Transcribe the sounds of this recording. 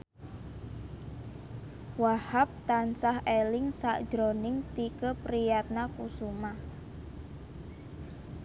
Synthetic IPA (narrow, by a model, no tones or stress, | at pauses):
wahap̚t̪ansahelɪŋsa̰ʔd̥ʒ̥ɾonɪŋt̪ikəpɾijat̪̚nakusuma